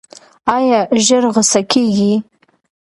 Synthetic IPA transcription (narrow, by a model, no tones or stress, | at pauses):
ajaʒɪrʁəsakʲʰeɡʲi